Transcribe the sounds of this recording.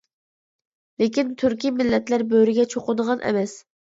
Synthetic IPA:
lekʲint̪ʰyɾkʲimɪlːɛt̪læɾbøɾɪɡʲɛt͡ʃʰoqʊnʁɑnʔɛ̰mɛs

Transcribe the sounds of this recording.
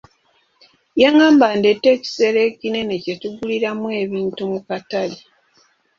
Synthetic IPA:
jaŋaːmbandetːe̞ci̥se̞ɾe̞kine̞necetuɡuliɾamwe̞ːβiːntumukatali

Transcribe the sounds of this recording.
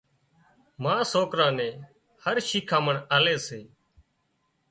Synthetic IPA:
mãːsoːkɾãːnɛ̃ː | həɾʃiːkʰaːməɳaːleːseː

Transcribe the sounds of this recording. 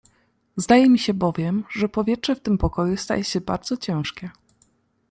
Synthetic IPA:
zd̪ajɛmʲiɕɛbɔvʲjɛmʐɛpɔvʲjɛtʂɛft̪ɘmpɔkɔjust̪a̰jɛɕɛba̰ɾd̪zɔt͡ɕɛ̃w̃ʂkʲɛ

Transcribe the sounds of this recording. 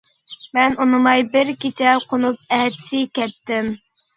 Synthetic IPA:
mɛnunɨmɑjbɪɾkʲit͡ʃʰɛqʰonup̚ɛɦd̪ɪ̥sɪkʲʰɛt̪ːɪm

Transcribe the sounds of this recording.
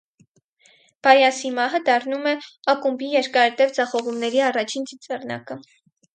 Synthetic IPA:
b̥ɑjɑsimɑɦəd̪ɑrnumɛɑkumbijɛɾkɑɾt̪ɛvd͡zɑχɔʁumnɛɾiɑrɑt͡ʃʰind͡zit͡sɛrnɑ̰kə

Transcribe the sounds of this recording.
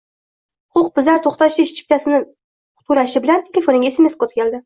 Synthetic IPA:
qʰʊq̚bɪzaɾt̪ʰoχt̪aʃɪʃt͡ʃʰɪ̥p̚t̪ʰasɪnɪ | t̪ʰuɾaʃɪbɪlant̪ʰelʲefonɪŋʲesɪmeskot̪kʲald̪ɪ

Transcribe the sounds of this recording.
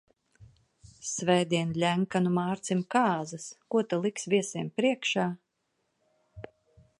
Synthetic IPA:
svɛjd̪ʲiɛnlʲæŋkanumaːɾt̪simkaːzɨskuɔt̪alˠiksvʲiɛsiɛmpɾiɛkʃaː

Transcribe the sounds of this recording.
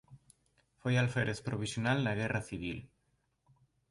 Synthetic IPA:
fojalfeɾʔespɾoβ̞isjonalnaɣ̞eraθiβ̞il

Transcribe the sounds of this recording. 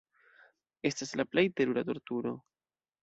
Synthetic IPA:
e̞staslaplejteɾuɾato̞ɾtuɾo̞̰

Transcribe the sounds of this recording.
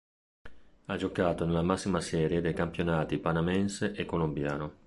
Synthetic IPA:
ad͡ʒokaːt̪onelamasːimasɛːɾjed̪ejkampjonaːt̪ipanamɛnseʔekːolombja̰ːno

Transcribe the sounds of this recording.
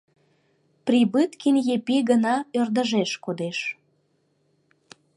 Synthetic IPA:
pribɨt̪kinʲjepiɣənɑørd̪əʒeʃkod̪eʃ

